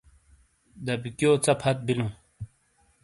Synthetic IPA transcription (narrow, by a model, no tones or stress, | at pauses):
d̪ɐbikjoːt͡sɐpʰɐt̪̚bilũː